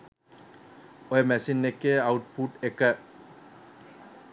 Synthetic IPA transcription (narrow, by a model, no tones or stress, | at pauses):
ɔjmɛsinːekeawʈ̚puʈeka